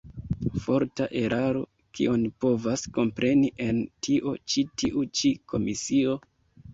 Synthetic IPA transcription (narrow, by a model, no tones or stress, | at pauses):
fo̞ɾtaʔe̞ɾʔaɾo̞̰ | kḭonpo̞vasko̞mpɾʔe̞niʔe̞ntʰiʔo̞̰t͡ʃitiʔut͡ʃikʰo̞misio̞